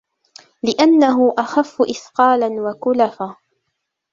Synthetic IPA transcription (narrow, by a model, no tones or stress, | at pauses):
lɪʔanːaɦʊʔaxafːʊʔɪθqɑːlanwakʊlafaː